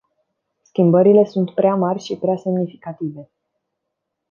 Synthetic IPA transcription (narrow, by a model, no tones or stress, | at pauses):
skʲimbəɾile̞sunt̪pɾeamarʲʃipɾease̞mnifikat̪ive̞